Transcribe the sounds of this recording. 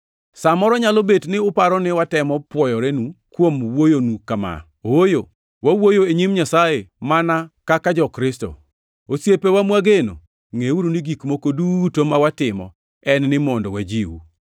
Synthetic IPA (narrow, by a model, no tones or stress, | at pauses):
samɔɾɔɲalobetnɪʊpaɾɔnɪwatɛmɔpwɔjɔɾɛnukwomwojonukama̰ | oojo | wawojoeɲimɲasaemanakakad͡ʒɔkɾɪsto̰ | osjepewamwaɡeno̰ | ŋeuɾuniɡikmokodutomawatɪmɔ̰ | ɛnnɪmondo̰wad͡ʒiwṵ